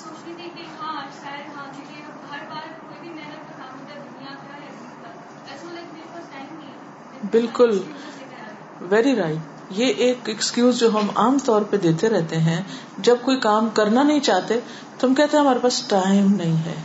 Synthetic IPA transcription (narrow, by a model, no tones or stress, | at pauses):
soːt͡ʃlit̪ʰekiɦãsad̪ɦãːd͡ʒike | ɦɐɾbaːɾkoːibʱinɛlɐtkɐkaːmd̪ed̪ʊnijak̪ | ɛi | ɐ | ɛsleːkmeːkɐsʈaɪ̃m | bɪlkʊl | ʋɛːɾiɾaːɪʈ | jeʔeːkɛkskjuːzd͡ʒoːɦɐmaːmt̪ɔːɾped̪eːt̪eɾɛɦt̪eɦɛ̃ | d͡ʒɐb̚koːikaːmkɐɾnanɐɦĩt͡ʃaːɦt̪e | t̪oɦɐmkɛɦt̪ẽɦɛ̃ɦɐmaːɾepaːsʈaːɪmnɐɦĩɦɛː